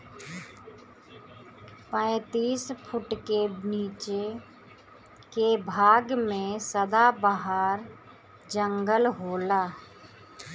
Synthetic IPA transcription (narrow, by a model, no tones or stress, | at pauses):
pə̃ɪt̪iːspʰʊʈkeniːt͡ʃe | kebʱaːɡmẽsəd̪abəɦaːɾ | d͡ʒəŋɡəlɦoːlaː